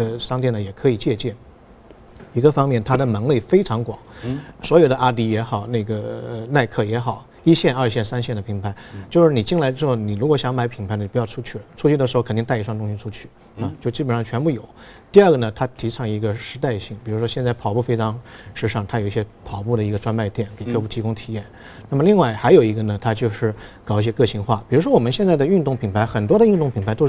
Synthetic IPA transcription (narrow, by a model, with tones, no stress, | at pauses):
ə˧ʂɑ˥ŋt̪̬jɛ˥˩nə˩jɛ˨˩kʰɤ˧˥i˨˩t͡ɕjɛ˥˧t͡ɕjɛ˥˩n | i˧˥ɡə˧fɑ˥ŋmjɛ˥˩nt̪ʰa˥d̪ə˨mə˧˥ŋli˥˩fe˥ɪʈ͡ʂʰɑ˧˥ŋkwɑ̰˨˩˦ŋswɔ˧˥jo˨˩ʊd̪ə˦˧ʔa˥t̪i˧˥jɛ˧˥xɑ˨˩˦ʊna˥˩ɪɡə˩əna˥˧ɪkʰɤ˥˩jɛ˧˥xɑ˨˩˦ʊ | i˥ɕjɛ˥˧nɐ˞˥˧ɕ̬jɛ˥˩nsa˥nɕjɛ˥˩nd̪ə˩pʰi˧˥ŋpʰa˧˥ɪt͡ɕjo˥˧ʊʂɻ̩˥˩ni˨˩t͡ɕi˥˧ŋla˧˥ə˧ɻ̩˧˥xo˥˩ʊni˨˩ɻu˧˥kwɔ˧˥ɕjɑ˧˥ŋma˧˥ɪpʰi˧˥ŋpʰa˧˥ɪnə˧˩pjʈ͡ʂʰu˥t͡ɕʰy˥˩ʈ͡ʂʰu˥t͡ɕʰy˥˩d̪ə˩ʂɻ̩˧˥˧kʰə˨˩ni˧t̪a˥˧ɪ˧˥ʂwɑ˥˧ŋt̪ʊ˥ŋɕi˧ʈ͡ʂʰu˥t͡ɕʰy˥˩ | ɐ˧t͡ɕjo˥˧ʊʂt͡ɕi˥˩pə˨˩nʂɑ˥˩ŋt͡ɕʰɥɛ˧˥npu˥˩jo˨˩˦ʊt̪i˥˧a˞˥˩ɡə˩nə˩t̪ʰa˥t̪ʰi˧˥ʈ͡ʂʰɑ˧˥ŋi˧˥ɡə˧ʂɻ̩˧˥t̪a˥˧ɪɕi˥˩ŋpi˨˩ɻu˧˥ʂwɔ˥ɕjɛ˥˧nt͡sɪpʰɑ˨˩ʊpu˥˩fe˥ɪʈ͡ʂʰɑ˧˥ŋʂɻ̩˥ʂɑ˥˩ŋt̪ʰa˥jo˨˩i˥˩ɕjɛ˥pʰɑ˨˩ʊp̬u˥˩d̪ə˩i˧˥ɡə˧ʈ͡ʂwa˥nma˥˧ɪt̪jɛ˥˩nke˨˩ɪkʰɤ˥˧fu˥˩t̪ʰi˧˥kʊ˥ŋt̪ʰi˨˩jɛ˥˩n | na˥˩mə˩li˥˧ŋwa˥˩ɪxa˧˥ɪjo˨˩ʊi˧˥ɡə˧nə˩t̪ʰa˥t͡ɕjo˥˧ʊʂɻ̩˥˩kɑ˨˩ʊi˥˩ɕjɛ˥kɤ˥˧ɕi˧˥ŋxwa˥˩pi˨˩ɻu˧˥ʂwɔ˥wɔ˨˩mə˦nɕjɛ˥˧nt͡sa˥˩ɪdə˩y˥˧nt̪ʊ˥˩ŋpʰi˧˩ŋpʰa˧˥ɪxə˨˩nt̪wɔ˥d̪ə˨y˥˧nt̪ʊ˥˩ŋpʰi˨˩ŋmʰpa˧˥ɪt̪o˥ʊ˥˩